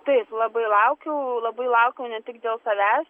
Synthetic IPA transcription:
t̪ɐɪplˠɐbɐɪlˠɐʊkʲɛʊlˠɐbɐɪlˠɐʊkʲɛʊnʲɛt̪ʲɪkd̪ʲeːlˠsɐʋʲæːsʲ

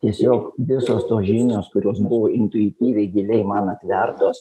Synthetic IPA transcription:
t̪ʲiɛsʲoːkʋʲɪsoːst̪oːsʒʲinʲoːskʊɾʲoːsbʊʋoːɪnt̪ʊɪt̪ʲiːʋʲɛɪɡʲɪlʲɛɪmɐnɐt̪ʲʋʲɛrt̪oːs

